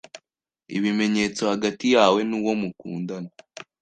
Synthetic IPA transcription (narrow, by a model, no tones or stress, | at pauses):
ḭβime̞ɲe̞ːt͡so̞haɡatijaːwe̞nuwo̞mukṵːndana